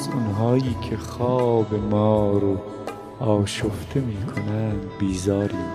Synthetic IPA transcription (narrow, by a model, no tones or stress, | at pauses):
zʊnɦɑːiːkʰexɑːbemɔːɾo | ɑːʃoft̪ʰemiːkʰonænbiːzɑːɾiː